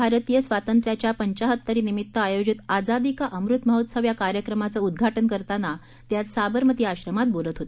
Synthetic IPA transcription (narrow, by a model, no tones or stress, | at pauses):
bʱaɾt̪ijəsʋat̪ənt̪ɾjat͡ɕjapəɲt͡ɕaɦət̪ːəɾiːnimit̪ːəajod͡zit̪ad͡zad̪ikaʔəmɾut̪məɦot̪səʋjakaɾjəkɾəmat͡səud̪ɡʱaʈənkəɾt̪ana | t̪jat̪sabəɾmət̪iːaɕɾəmat̪̚bolət̪ɦot̪e